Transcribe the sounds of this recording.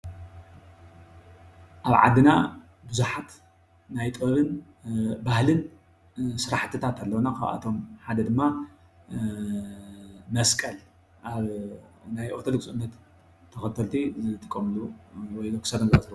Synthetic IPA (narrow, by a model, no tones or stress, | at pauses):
ʔaβʕa̰d̪ːɨna̰ | bɨzuħat̪ | najt̪ʼɐβɨn | bahlɨn | sɨɾaħt̪ʰɨt̪ʰat̪ʰalːɐwnakʰa̰βʔa̰t̪ʰo̞mħad̪ɐd̪ɨmːa | mɐskʼɐl | ʔaβnajʔot̪ʰod̪oɡsɨnːɐt̪ʰː | ɐxɐt̪ʰɐlt̪ʰizɨt̪ʼɨkʼːɐmluwɔjokɨ̥sɐɾɐnzɐɐt̪l